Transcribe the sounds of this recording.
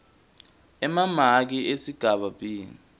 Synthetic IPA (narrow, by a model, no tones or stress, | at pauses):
ɛmamak̬iesiɡ̥ʱaɓaɓiːni